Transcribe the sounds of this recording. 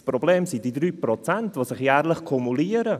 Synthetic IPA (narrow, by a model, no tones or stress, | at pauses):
spɾobleːmsid̥idɾyːpɾɔt͡sɛntvosɪχjɛːɾlɪχkʰɔmuliəɾə